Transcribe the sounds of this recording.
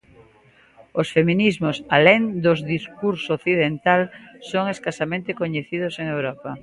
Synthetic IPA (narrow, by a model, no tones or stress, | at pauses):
osfemĩnizmosaleŋd̪ozðiskuɾsooθiðent̪alsoŋeskasamẽnt̪ekoɲeθið̞oseŋewɾɔpa